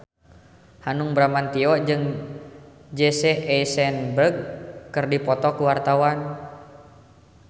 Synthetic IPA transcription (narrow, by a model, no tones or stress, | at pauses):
hanuŋbɾamant̪iɔd͡ʒɨŋ | d͡ʒɛseʔɛsɛnbərɡ̚kɨrdipɔt̪ɔkuwart̪awan